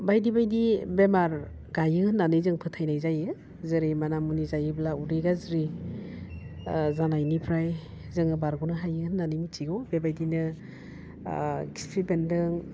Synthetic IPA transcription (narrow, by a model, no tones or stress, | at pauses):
bajdibajdibemaɾ | ɡajɯhɯnːanɯjzɯŋpʰɯtʰajnajzajɯ | zɯɾimanamunizajɯblauɾiɡazɾi | zanajnipʰɾaj | zɯŋɯbaɾɡunɯɦajɯhɯnːanimit͡ʃiɡɔbebajdinɯ | ɡi̥spʰibendɯŋ